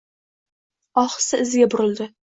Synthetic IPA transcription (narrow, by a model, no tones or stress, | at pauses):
ɒχsɪɪzɡʲabʊɾɪld̪ɪ